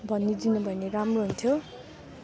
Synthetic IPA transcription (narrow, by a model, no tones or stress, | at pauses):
bʱʌnːid͡zinubʱʌjneɾamroɦunt̪ʰjo